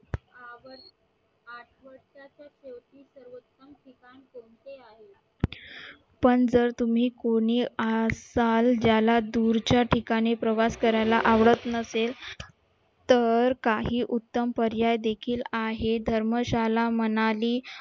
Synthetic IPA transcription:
aʋəɾ | aʈʰʋəɾʂat͡ɕjasewt̪ːiːsəɾʋət̪ːəmʈʰikankoɳt̪eaɦe | pəɳd͡zəɾt̪um̤iːkoɽ̃iːəsald͡ʑjalad̪uɾt͡ɕjaʈʰikaɽ̃ipɾəʋaskəɾajlaʔaʋɽət̪nəsel | t̪əɾkaɦiːʔut̪ːəmpəɾjajd̪ekʰiːlaɦed̪ʱəɾməɕalamənaliː

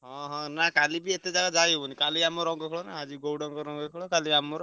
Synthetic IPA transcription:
ɦɔ̃ɦɔ̃nakalibiet̪ed͡ʒaɡad͡ʒajebɔnikaliamɔɾɔŋɡɔkʰɔɭɔnaad͡ʒiɡowɽɔŋɡɔɾɔŋɡɔkʰɔɭɔkaliamɔɾɔ

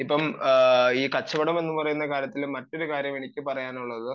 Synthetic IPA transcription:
ipːɐm | iːkɐt͡ɕːɐbɐɽɐmenːɨpɐrɐjunːɐkaːɾjɐt̪ːilmɐtːo̞ɾukaːɾjɐmeɳikʲːɨpɐrɐjaːnuɭːɐðɨ

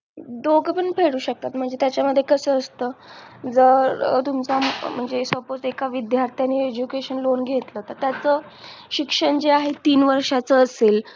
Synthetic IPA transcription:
d̪oɡʱpəɳpʰeɽuːɕək̚t̪at̪m̤əɳd͡zet̪jat͡ɕjaməd̪ʱjekəsəːst̪əːd͡zəɾt̪umt͡sam̤əɳd͡zesʋəpod͡zekaʋid̪jaɾt̪ʰjanːied͡ʑukeɕənlonɡʱet̪lət̪əɾt̪jat͡sə | ɕikʂəɳd͡ʑeaɦet̪iːnʋəɾʂat͡səːseːl

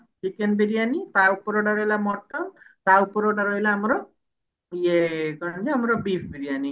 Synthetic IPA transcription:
t͡ʃikenbiɾijanit̪awpɔɾoɽaɾɔɦilamɔʈɔnt̪awpɔɾoɽaɾɔɦilaɦamɾɔ | jekɔnd͡ʒiɦamɾɔbipʰbiɾijani

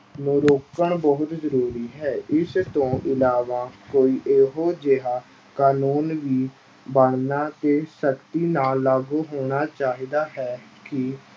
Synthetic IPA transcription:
nõːɾoːkəɳbəɦʊt̪zəɾuːɾiːɦɛːʔɪst̪õːʔɪlaːʋãːkoːiːʔeːɦoːd͡ʒeɦaː | kaːnuːnʋiː | bəɳnaːt̪eːsəkt̪iːnaːlːaːɡuːɦoːɽ̃aːt͡ʃaːɦiːd̪aːɦɛːkɪ

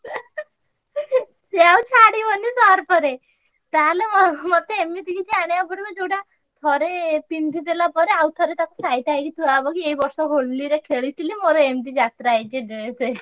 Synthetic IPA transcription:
seawt͡ʃʰaɽibɔnisɔɾpɔɾe | t̪alemɔmɔt̪eemːit̪ikʰit͡ʃʰiaɽ̃jabɔɽikɔd͡ʒowʈa | t̪ʰɔɾepind̪ʱid̪elapɔɾeawt̪ʰɔɾet̪akɔsait̪ajkit̪uabɔkieibɔɾsɔɦoɽliɾekʰeɭit̪ʰilimoɾɔemt̪̬id͡ʒat̪ɾaːjt͡ʃʰeɖeese

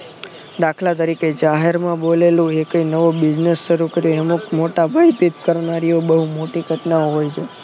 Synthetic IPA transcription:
d̪akʰlat̪əɾiked͡ʒaɦeɾmãbolelũekəinəʋobɪd͡ʒnesːəɾukəɾjoeəmukmoʈabʱaipit̪kəɾnaɾiobəɦumoʈiɡʱəʈnaoɦojt͡ʃʰe

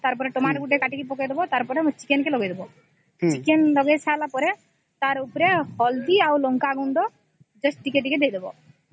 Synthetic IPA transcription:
t̪aɾpɔɾeʈɔmaʈɡuʈ̬ekaʈikepɔkejd̪ebɔt̪aɾpɔɾemt͡ʃi̥kenkelɔɡejd̪ebɔ | t͡ʃikenlɔɡet͡ʃʰalapɔɾe | t̪aɾupɾehɔld̪iawlɔŋkaːɡund̪ɔ | d͡ʒɔsʈʈikeʈ̬iked̪ejd̪ebɔ̰

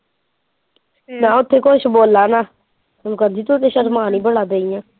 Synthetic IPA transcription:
naːʊt̪ʰːeːkoʃboːlːaːnaː | lkənd͡ʒiːt̪ot̪ːeːʃəɾmaːnĩːbəɽaːd̪eːijãː

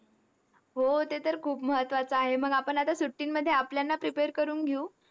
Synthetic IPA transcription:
ɦot̪et̪əɾkʰuːpməɦət̪ʋat͡səaɦem̤əɡapəɳat̪asuʈːiːnməd̪ʱːjeapljanːapɾipeɾkəɾuːnɡʱeuː

